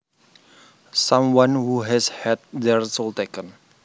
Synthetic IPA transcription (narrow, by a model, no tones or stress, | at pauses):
sãmwãnhuɦɛshɛt̪̚dɛrsɔlt̪ekən